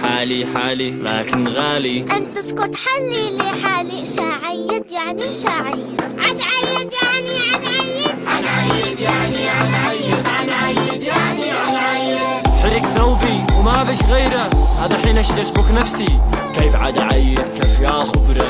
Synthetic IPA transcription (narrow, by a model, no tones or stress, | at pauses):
ħaːliħaːlila̰ːkɪnɣaːliʔant̪ːɪskʊt̪ħalːiliħaːliʃaːʕɪjːɪd̪jaʕniʃaːʕɪjʕad̪ʕajːɪd̪jaʕniʕad̪ʕajːɪʕaaj̪jaiaʕaj̪ʕaʕajːɪd̪jaʕniaʕajħɪɾɪkθawbiwmabɪʃɣeːɾaʔaðaħiːnʔaʃt̪asbuknafsikeːfʕad̪ʕajːɪd̪kafjaːxʊbɾˤɑ